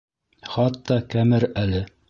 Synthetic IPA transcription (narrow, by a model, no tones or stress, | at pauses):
χɑt̪ːɑkæmɘɾælɘ